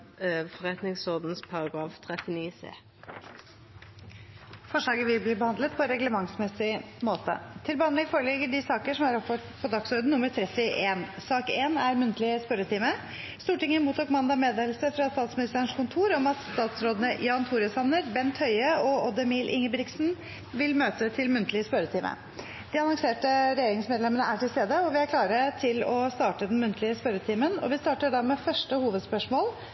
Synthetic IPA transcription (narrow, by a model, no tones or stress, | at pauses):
fɔʁɛt̪nɪŋsɔʁd̪n̩spʰɑʁɑɡʁɑːft̪ʰʁɛt̪ɪniːsḛː | fɔʂɭɑːɡəʋɪlbliːbəhɑnd̪lət̪̚pʰɔɾɛɡləmɑŋsmɛsɪmoːt̪ə̰t̪ʰɪlbəɑnlɛɡfoːɾəlɛɡəɖɪsɑːkəʂɔmæɾɔpfɔ | pʰɔd̪ɑksɔɾd̪n̩ʊməɾt̪ʰɾɛt̪ɪʔeːnsɑːkeːnæɾmʉnt̪ʰlɪəspœɾət̪ʰiːmə | st̪uːʈɪŋːəmuːt̪ʰuːkmɑnd̪ɑmeːd̪eːlsəfɾɑst̪ɑːt̪smɪnɪst̪əɾəɳʂkʰʊnt̪ʰuːɾɔmɑsst̪ɑːt̪sɾoːd̪ənəjɑːnt̪ʰuːɾɪəsɑnəɾbɛnt̪ʰhœʏəɔɔd̪əmiːlʔɪ̰ŋːəbɾɪksn | ʋɪlmøːt̪ət̪ʰɪlmʉnt̪ʰlɪəspœɾət̪ʰiːmʔə̰ | d̪̥ɪɑnɔŋseːʈəɾɛjeːɾɪŋsmɛːd̪lɛmənəʔæʈʰɪlst̪eːd̪əɔʋɪæɾkʰlɑːɾəʈ̪ʰɪlɔst̪ɑːʈəd̪ɛnmʉnt̪ʰlɪəspœɾət̪ʰiːmənɔ̰ʋɪst̪ɑːʈəɖɑmɛfœʂʈəhuːʋəd̪spœʂmoːl